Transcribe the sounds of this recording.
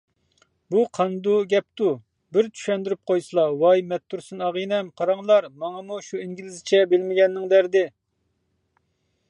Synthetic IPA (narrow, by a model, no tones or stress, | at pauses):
buqʰɑnd̪uɡʲɛp̚t̪u | bɪɾt͡ʃ̪ʰy̥ʃɛnd̪yɾyp̚qʰojsɨlˠɑwɑjmɛt̪ːuɾsɨnɑʁɨnɛmqʰɑɾɑŋlˠɑɾmɑŋɑmuʃuiŋɡʲilɪzɪt͡ʃʰɛbɪlmɪɡʲɛnːɪŋd̪æɾd̪ɪ